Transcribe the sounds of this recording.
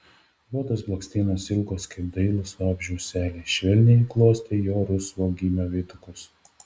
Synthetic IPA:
luɔt̪oːsblˠɐksʲt̪ʲɛːnoːsɪlˠɡoːskɐɪpd̪ɐɪlˠʊsʋɑːbʲʒʲɛʊsʲæːlʲeʃʲʋʲɛlʲnʲɪiklˠoɔsʲt̪ʲejoːɾʊsʋoːɡʲiːmʲɛʋʲeːt̪ʊkʊs

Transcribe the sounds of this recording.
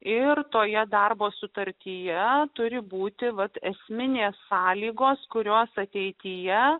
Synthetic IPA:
ɪrt̪oːjɛd̪ɐrboːsʊt̪ɐɾʲt̪ʲijɛt̪ʊɾʲɪbuːt̪ʲɪʋɐt̪ɛsʲmʲɪnʲeːsːɑːlʲiːɡoːskʊɾʲoːsɐt̪ʲɛɪt̪ʲijɛ

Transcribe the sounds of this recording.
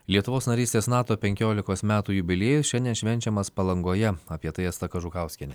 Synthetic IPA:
lʲiɛt̪ʊʋoːsnɐɾʲiːst̪ʲeːsnɑːt̪oːpʲɛŋʲkʲoːlʲɪkoːsmʲæːt̪uːjʊbʲɪlʲeːjʊsʃʲɛnʲd̪ʲiɛnʃʲʋʲɛnʲt͡ʃʲɛmɐspɐlˠɐŋɡoːjɛɐpʲiɛt̪ɐɪɛst̪ɐkɐʒʊkɑˑʊsʲkʲɛnʲɛ

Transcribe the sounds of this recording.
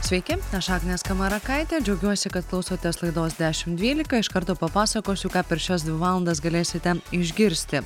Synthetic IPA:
sʲʋʲɛɪkʲɪɐʃɑːknʲeːskɐmɐɾɐkɐɪt̪ʲeːd͡ʒʲɛʊɡʲuɔsʲɪkɐt̪̚klˠɒʊsoːt̪ʲɛslˠɐɪd̪oːsd̪ʲæːʃʲɪmtd̪ʲʋʲiːlʲɪkɐɪʃkɐɾt̪oːpɐpɑːsɐkoːsʲʊkɑːpʲɛɾʃʲɛsd̪ʲʋʲɪʋɑːlˠɐnd̪ɐs̬ɡɐlʲeːsʲɪt̪ʲɛɪʒʲɡʲɪɾʲsʲt̪ʲɪ

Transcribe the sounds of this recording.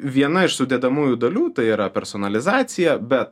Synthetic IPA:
ʋʲiɛnɐɪʃsʊd̪ʲeːd̪ɐmuːjuːd̪ɐlʲuːt̪ɐɪiːɾɐpʲɛɾsoːnɐlʲɪzɑːt̪sʲɪjɛbʲɛt̪

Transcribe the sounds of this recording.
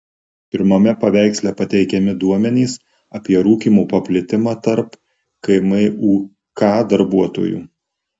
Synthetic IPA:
pʲɪɾmɐmʲɛpɐʋʲæˑɪksʲlʲɛpɐt̪ʲɛɪkʲɛmʲɪd̪uɔmʲɛnʲiːs | ɐpʲiɛɾuːkʲiːmuːpɐpʲlʲɪt̪ʲɪmɑːt̪ɐɾp | kɐɪmɐɪʔuː | kɑːd̪ɐɾbuɔt̪o̰ːjṵː

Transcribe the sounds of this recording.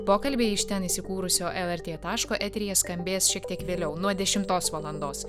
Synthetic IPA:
poːkɐlʲbʲeːɪʃʲt̪ʲɛnisʲɪkuːɾʊsʲoːʔɛlˠɛɾʲt̪ʲeːt̪ɑːʃkoːʔɛt̪ʲɾʲɪjɛskɐmʲbʲeːsʃʲiɛkt̪ʲiɛkʋʲeːlʲɛʊnuɔd̪ʲɛʃʲɪmt̪oːsʋɐlˠɐnd̪oːs

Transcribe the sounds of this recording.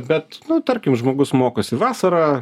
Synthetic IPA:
bʲɛt̪nʊt̪ɐɾʲkʲɪmʒmoːɡʊsmoːkoːsʲɪʋɑːsɐɾɑː

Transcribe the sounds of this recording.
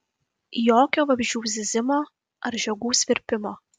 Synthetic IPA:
joːkʲoːʋɐbʲʒʲuːzʲɪzʲɪmoː | ɐɾʒʲɛɡuːsʲʋʲɪɾʲpʲɪmoː

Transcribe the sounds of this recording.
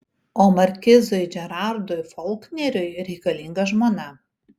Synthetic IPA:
oːmɐɾʲkʲɪzojd͡ʒʲɛɾɑɾd̪ʊjfɔlˠknʲɛɾʲʊjɾʲɛɪkɐlʲiŋɡɐʒmoːnɐ

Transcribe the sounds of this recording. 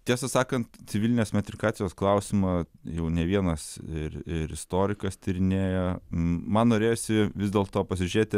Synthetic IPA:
t̪ʲiɛsɐsɑːkɐnt̪t̪sʲɪʋʲɪlʲɪnʲeːsmʲɛt̪ʲɾʲɪkɑːt̪t͡s̪ʲɪjoːsklˠɐʊsʲɪmɑjɛʊnʲɛʋʲiɛnɐsɪɾɪɾɪ̰st̪oːɾʲɪkɐst̪ʲiɾʲɪnʲeːjɛmɐnnoːɾʲeːjoːsʲɪʋʲɪzd̪ʲeɛːlˠt̪oːpɐsʲɪʒʲʊɾʲeːt̪ʲɪ

